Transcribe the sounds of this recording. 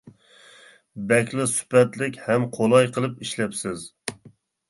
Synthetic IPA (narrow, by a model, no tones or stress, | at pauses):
bɛkʲlɪsy̥pɛt̪lɪkʲhɛmqʰolˠɑjqʰəlˠɨpiʃlɛpsɪz